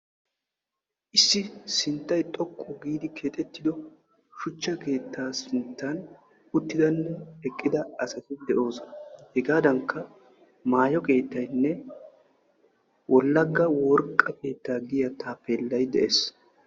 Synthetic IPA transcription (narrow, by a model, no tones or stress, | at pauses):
ʔɪsːɪsɪnt̪ːɐjt̪ʼɔkʼːɔɡiːd̪ɪkʰeːt̪ʼɛt̪ːɪd̪ɔ | ʃʊt͡ʃːɐke̞ːt̪ʰːaːsɪnt̪ːɐn | ʊt̪ːɪd̪ɐnːɛɛkʼːɪd̪ɐɐsɐt̪ɪd̪ɛʔo̞ːsɔnɐhɛɡaːd̪ɐŋkːɐ | maːjɔkʼe̞ːt̪ːɐjnːɛ | wʔɔlːɐɡːɐwɔɾkʼːɐke̞ːt̪ːaːɡɪjɐt̪aːpeːlːɐjd̪ɛʔeːs